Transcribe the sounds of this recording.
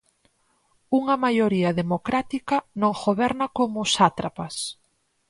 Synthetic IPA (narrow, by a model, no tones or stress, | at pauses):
uŋɐmajoɾiɐðemokɾat̪ikɐnõŋxoβɛɾnɐkomʊsat̪ɾapɐs